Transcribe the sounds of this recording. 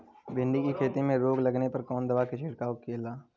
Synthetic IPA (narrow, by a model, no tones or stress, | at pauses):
bɪ̃ɳɖikikʰeːt̪emẽɾoːɡlɐɡnepɐɾkɔːnd̪ɐʋaːkɪt͡ʃʰeːɽkaʊkeːlaː